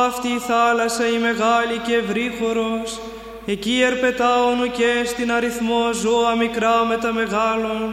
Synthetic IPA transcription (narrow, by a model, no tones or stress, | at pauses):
ɐft̪iːθɐlɐsɐime̞ɣɐlice̞ːvɾixo̞ɾo̞s | e̞cie̞ɾpe̞t̪ɐonucest̪inɐɾiθmozoɐmikɾɐme̞t̪ɐme̞ɣɐlon